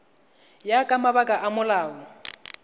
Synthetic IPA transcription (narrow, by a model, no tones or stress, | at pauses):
jakʼamaβakʼaʔamʊlaːɔ